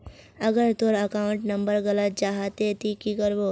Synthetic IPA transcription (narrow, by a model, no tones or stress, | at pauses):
ɐɡəɾt̪oɾɐkaːʊ̃ɳʈnɐ̃mbəɾɣɐlət̪̚t͡ʃaːɦat̪et̪ikikəɾʋo